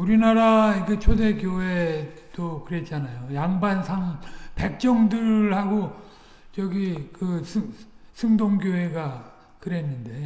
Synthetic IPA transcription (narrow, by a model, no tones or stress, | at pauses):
uɾinaɾaiɡet͡ɕʰode̞kjoɦe̞ | d̥okɯɾe̞t̚t͡ɕ͈anajojaŋbansʰaŋpe̞k̚t͡ɕ͈ʌŋdɯɭhaɡo | t͡ɕʌɡikɯsʰɯsʰɯŋdoŋɡjoɦe̞ɡa | kɯɾe̞nːɯnde̞